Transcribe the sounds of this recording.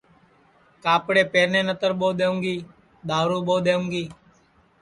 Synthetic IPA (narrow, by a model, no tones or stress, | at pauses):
kaːpɽeːpeːɾneːnət̪əɾboːd̪eːũːŋɡiː | d̪aːɾuːɓoːd̪eːũːŋɡiː